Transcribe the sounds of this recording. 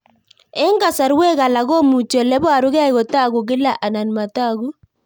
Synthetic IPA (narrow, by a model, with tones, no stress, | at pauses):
ɛ˦ŋɡa˨sa˨ɾwe˦ɣa˨la˨ɣɔ˦mu˨t͡ʃɔ˨lɛ˦ba˨ɾʊ˦ɣɛ˦˨ɣɔ˨ta˦ɡʊ˨ɡɪ˦la˦ʔa˨na˨nma˨ta˦ɡu˦